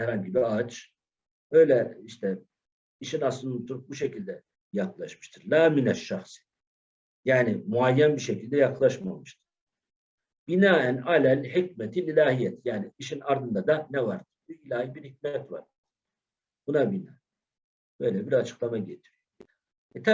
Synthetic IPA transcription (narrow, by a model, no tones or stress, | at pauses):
hɛɾalʲɟibiat͡ʃ | ø̞jlʲɛiʃt̪ʰɛ | iʃinaslˠɯnt̪ʰuɾup̚buʃecilʲd̪ɛ | jaklˠaʃmɯʃt̪ʰɯɾlaːminæʃːaxsi̥ | jaːnimuajːænbiɾʃecilʲd̪ɛjaklˠaʃmamɯʃt̪ʰɯ̥ɾ̥ | b̥inaːænalælħicmɛt̪ʰililʲaːɦijɛt̪jaːniːʃinaɾd̪ɯnd̪ad̪anɛvaɾd̪̥ɯɾbuilʲaːhibiɾhic̚mɛt̪va̰ɾ | bunabinaː | bø̞jlɛbiɾat͡ʃʰɯ̥klˠamaɟet̪ʰiɾyjo | ɛt̪ʰa